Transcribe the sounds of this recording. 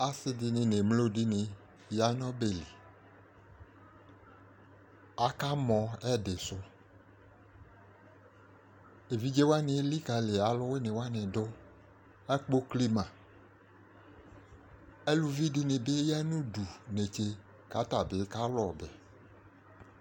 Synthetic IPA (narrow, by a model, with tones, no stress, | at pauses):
a˨sɪ˦dɪ˨nɪ̃˨ne˨mlo˦dɪ˦nɪ˨ | ja˨nɔ̃˦be˨li˨ | a˨ka˦mɔ̃˨ɛ˦dɪ˨sʊ˦ | e˨vi˦d͡ʒe˦wa˦nɪ̃˨˦li˦ka˨lɪ˨a˨lʊ˦we˦nɪ̃˨wa˦nɪ̃˨dʊ˦ | ɛ˦k͡po˦kli˦mã˨ | e˦lu˨vi˦dɪ˦nɪ̃˨be˦ja˦nũ˦du˨ne˨t͡ʃe˦ | ka˨˦ta˨bɪ˨˦ka˦lɔ˨bɛ˨